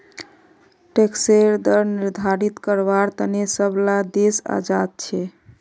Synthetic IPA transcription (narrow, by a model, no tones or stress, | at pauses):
ʈekseɾd̪əɾniɾd̪ʱaɾit̪kəɾbaɾt̪ənesəblad̪esa̰d͡ʒad̪̚t͡ʃʰɛ